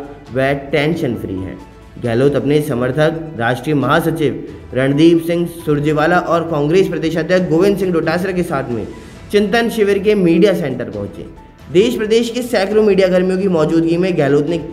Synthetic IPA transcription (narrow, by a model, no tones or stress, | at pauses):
ʋɛːʈɛ̃ːnʃənfɾḭːɦɛ̰̃ː | ɡɛːloːt̪ɐpnesɐməɾt̪ʰəkɾaːʃʈɾiːjəmɐɦasɐt͡ʃiʋ | ɾɐ̃ɳd̪iːbsɪ̃ŋɡsʊɾd͡ʒiʋaːlaʔɔːɾkãːŋɡɾeːspɾɐd̪eːʃad̪ʱjət̪ɡoːʋɪ̃nd̪sɪ̃ŋɡɖoːʈaːsɾakesaːt̪ʰmḛ̃ | t͡ʃɪ̃nt̪ənʃɪʋəɾk̬emiːɖijasɛ̃ːɳʈəɾpɐ̰ɦʊ̃t͡ʃḛː | d̪eːʃpɾɐd̪eːʃkesɛːkɾomiːɖijaɡəɾmijõk̬imɔːd͡ʒuːd̪ɡimẽɡɛːloːt̪ne